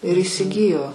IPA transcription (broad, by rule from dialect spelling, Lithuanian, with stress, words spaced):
ɪr iːsʲɪˈɡʲɪjoː